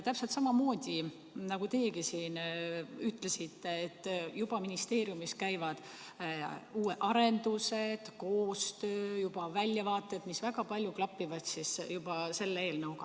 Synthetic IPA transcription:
t̪æpselt̪sɑmɑmo̞ːd̪̥ʲi | nɑɡ̥ut̪e̞ːkisiːnyt̪ːˑle̞sit̪ːe̞et̪ːjub̥ɑminist̪e̞ːɾiumiskæjvɑd̪̥ | uːeʔɑɾend̪use̞d̪̥ko̞ːst̪ø̞ːjub̥ɑvælʲjɑvɑːt̪ːˑed̪̥misvæɡɑpɑlʲjuklɑpːˑivɑt̪sisjub̥ɑse̞lːee̞ːlnɑwɡɑ

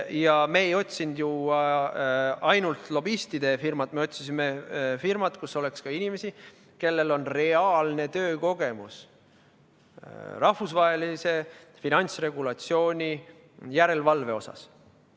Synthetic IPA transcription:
jɑmeejo̞t̪ʲsind̪̥ju | ɑjnult̪lo̞bist̪id̪̥e̞firmɑt̪me̞o̞t̪ʲsisimefirmɑt̪kusːo̞le̞kskɑinʲime̞si | ke̞lːe̞lo̞nre̞ɑːlne̞t̪ø̞ːko̞ɡ̥e̞mus | rɑhfusvɑɦelise̞ | finɑnʲt̪sre̞ɡ̥ulɑt̪sio̞ːnʲi | jæɾe̞lvɑlve̞o̞sɑ̰s

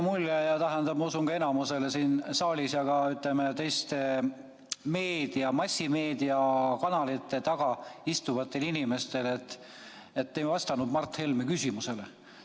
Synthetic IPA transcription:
mulʲːejɑt̪æɦend̪ɑb̥̚mɑusuŋɡ̥ɑe̞nɑmuse̞le̞siːnsɑːlʲisjɑɡ̥ɑyt̪ˑlemet̪e̞jst̪e | me̞ːd̪̥iɑmɑsʲːimeːd̪iɑkɑnɑlit̪ːˑe̞t̪ɑɡ̥ɑist̪uvɑt̪ːˑe̞linime̞st̪e̞let̪ːˑ | et̪ːejvɑst̪ɑnud̪mɑrt̪ːhe̞lmekysʲimuse̞le

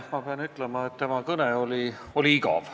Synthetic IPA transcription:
mɑpeɑnyt̪ˑlemɑet̪t̪ːe̞mɑkɤneo̞li | olʲiikɑ̰v̥

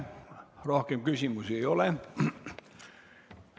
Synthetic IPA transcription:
rohkemkysʲimuseijole

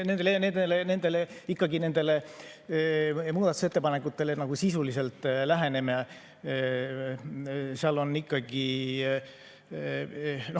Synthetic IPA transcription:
nend̪̥ened̪elene̞nd̪̥e̞leikːɑɡine̞nd̪e̞le̞ | muːd̪ɑt̪u̥se̞t̪ːe̞pɑne̞kːˑut̪ːˑe̞lenɑɡ̥usisulise̞lt̪ːˑlæɦene̞me | seɑlo̞nːikːɑɡ̥i | no

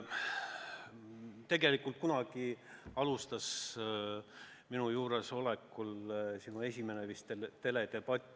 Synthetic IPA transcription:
t̪e̞ɡe̞likˑult̪̚kunɑɡ̥i | ɑlust̪ɑs | minujuːɾe̞so̞lekːˑulsinue̞sʲime̞nevist̪et̪e̞le̞t̪e̞b̥ɑt̪ʲːˑ

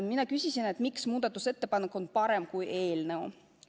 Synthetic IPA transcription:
minɑkysʲisine̞t̪ːˑmiksmuːd̪̥ɑt̪ːˑuse̞t̪ːe̞pɑnːekːˑo̞npɑɾemkujʔe̞ːlneo

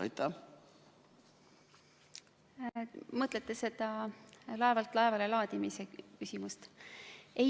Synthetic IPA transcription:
ɑ̰jt̪ːˑɑ | mɤt̪ˑle̞t̪ːe̞se̞d̪ɑlɑe̞vɑlt̪ːˑlɑe̞vɑle̞lɑːd̪̥imisekysimust̪ | e

